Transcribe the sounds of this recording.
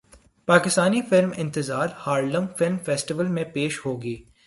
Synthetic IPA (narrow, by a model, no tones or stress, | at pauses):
paːkɪst̪aːnifɪlmɪ̃nt̪ɪzaːɾhaːɾɖə̃ŋfɪlmfɛːsʈɪʋəlmẽpeːʃhoːɡiː